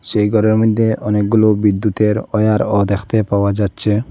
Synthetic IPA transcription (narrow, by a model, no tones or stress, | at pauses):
ʃejɡɔɾeɾmɾid̪ʱːeʔɔnek̚ɡulobid̪ːut̪eɾɔjaɾɔd̪ɛkʰt̪epawad͡ʒatːɕʰe